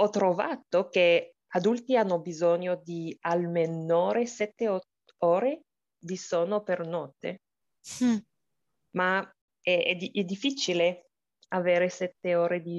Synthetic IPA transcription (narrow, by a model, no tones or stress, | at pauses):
ɔt̪ːɾovat̪ok̟e | ad̪ult̪ianːobizɔɲod̪ialmenoːɾesɛt̪ːe | oːɾe | visoːnopernɔt̪ːḛ | ma | ɛɛd̪iɛd̪ifːit͡ʃile | aveːɾesɛt̪ːeoːɾed̪i